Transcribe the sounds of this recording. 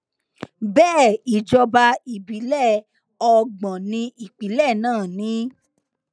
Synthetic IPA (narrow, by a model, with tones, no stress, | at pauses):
bɛː˦˨i˨d͡ʒɔ˧ba˧i˨bi˨˦lɛ˦˨ | ɔ˧ɡ͡bã˨nĩ˧i˨k͡pi˨˦lɛ˦˨nãː˦˨nĩ˨˦